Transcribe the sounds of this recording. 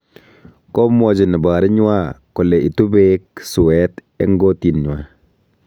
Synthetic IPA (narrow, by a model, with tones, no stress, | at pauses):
kɔ˦mɔ˨d͡ʒɪ˨nɪ˨ba˨ɾɪ˦ɲ˦wa˦kɔ˨lɛ˨ʔi˨tu˦be˦k̚su˨wɛ˦t | ɛ̰˦ŋɡo˦ti˨nɲ˨a˨